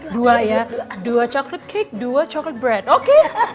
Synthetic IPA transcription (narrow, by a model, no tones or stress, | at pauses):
duajaduat͡ʃɔklət̪̚kʰɪk̚duat͡ʃɔklət̪̚bɹɛdokʰe